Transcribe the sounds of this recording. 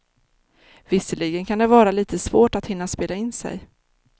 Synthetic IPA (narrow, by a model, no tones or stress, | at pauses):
vɪsəɭɪɡənkʰand̪ɛvɑːɾaliːt̪əsvoːʈat̪hɪnːaspeːlaɪnsɛ̰j